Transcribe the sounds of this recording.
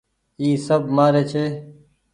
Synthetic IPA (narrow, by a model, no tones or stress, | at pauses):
iːsəbmaːɾeːt͡ʃʰeː